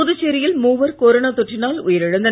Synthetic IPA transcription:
ʊðɯt͡ɕːeɾɪjɪlmuːʋɐɾkoːɾɐɳɐt̪ɔʈrɪnaːlʊjɐɾɪɻɐnd̪ɐ

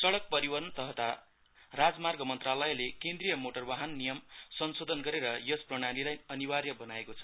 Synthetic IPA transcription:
sʌɽʌk̚pʌɾiwʌrnʌt̪ʌɦʌt̪a | rad͡zmarɡʌmʌnt̪ralʌjlekend̪rijʌmoʈʌrbaɦʌnːijʌmsʌnsod̪ʱʌnɡʌɾeɾʌjʌsprʌɽ̃alilajʌniwarjʌbʌnaekot͡sʰʌ̥

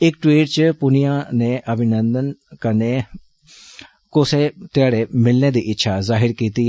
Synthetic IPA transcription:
ɪkʈwiːʈt͡ʃəpʊnijãːneːʔəbʱɪnənd̪ənkəneː | kʊseːt̪ɪaːɽeːmɪlneːd̪iːʔɪtːʃʰaːzaːɦɪɾkiːt̪iː

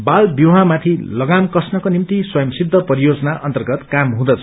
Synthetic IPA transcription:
balbjuɦãmat̪ʰilʌɡamkʌsnʌkonimt̪iswʌjʌmsid̪ʱːʌpʌɾijod͡zʌnaʔʌnt̪ʌrɡʌt̪kamɦũd̪ʌt͡sʰʌ

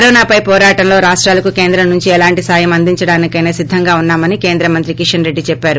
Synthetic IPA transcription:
ɐɾɔːnaːpɐjpɔːɾaːʈɐmlo̞ːɾaːʂʈɾaːlɐkuke̞ːnd̪ɾɐmnuɲt͡ʃiɛlaːɳʈisaːjɐmɐnd̪iɲt͡ʃɐɽaːnikɐjneːsid̪ʱːɐŋɡaːunːaːmɐnike̞ːnd̪ɾɐmɐnt̪ɾikiʂɐnɾe̞ɖːit͡ʃɛpːaːɾu

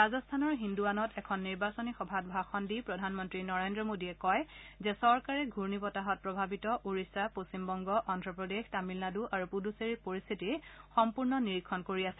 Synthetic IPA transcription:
ɹazɔstʰanɔɹɦinduanɔtɛkʰɔnːiɹbasɔnixɔbʱatbʱaxɔndipɹɔdʱanmɔntɹinɔɹendɹɔmodiɛkɔjzɛsɔɹkaɹɛɡʱuɹnipɔtaɦɔt̚pɹɔbʱabitɔʔuɹisapostimbɔŋɡɔʔɔndʱɹɔpɹɔdextamilnaduʔaɹupuduseɹipoɹistʰitixɔmpuɹnɔniɹikʰːɔnkoɹiasɛ

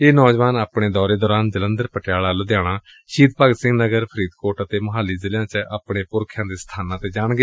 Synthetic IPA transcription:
eːnɔːd͡ʒʋaːnaːpɽeːd̪ɔːɾeːd̪ɔːɾaːnd͡ʒələ̃nd̪əɾpəʈɪjaːɭaːloːd̪jaːɽ̃aː | ʃiːd̪paːɡsɪ̃ŋɡnəɡəɾpʰəɾiːd̪koːɾʈət̪eːməɦaːliːzɪljãːt͡ʃəʔaːpɽeːpʊɾkʰjãːd̪eːsə̥t̪ʰaːnãːt̪eːd͡ʒaːɳɡeː

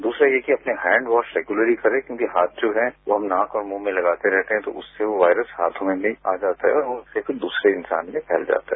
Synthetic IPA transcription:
d̪uːsɾajekiɐpneɦɛ̃ːɳɖʋɔːʃɾeːɡjʊləɾikɐɾẽkjõːkiɦaːt̪̚ʰd͡ʒoːɦɛ̃ʋoɦɐ̃mnãːkɔːɾmõːmẽlɐɡaːt̪eɾɛɦt̪eɦɛ̃t̪o̰ʔʊsːeʋoʋaːɪɾəsɦaːt̪ʰomẽnĩaːd͡ʒaːt̪aɦɛɔːɾʊnsefɪɾd̪uːsɾeɪ̃nsa̰ːnmẽpʰɛːld͡ʒa̰ːt̪aɦɛː

